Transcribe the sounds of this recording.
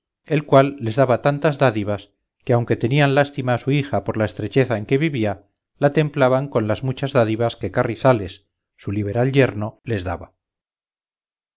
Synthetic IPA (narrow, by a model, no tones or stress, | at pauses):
e̞lkwalːe̞zðaβat̪ant̪azðaðiβas | keawŋke̞t̪e̞nianlast̪imaːsuixapo̞ɾlae̞st̪ɾe̞t͡ʃe̞θaeŋke̞βiβia | lat̪e̞mplaβaŋko̞nlazmut͡ʃazðaðiβaske̞kariθale̞sː | uliβ̞e̞ɾalʎe̞ɾno̞le̞zða̰βa